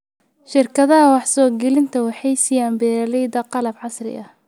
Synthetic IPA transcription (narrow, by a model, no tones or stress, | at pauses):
ʃɪrkʰɐðɐɦɐwɑħsɔːɡɛlɪnt̪ʰɐwɑħɑjsɪjaːnbɛːɾɐlɛjd̪ɐqɑlɐbʕɑsrɪ̰ʔɐ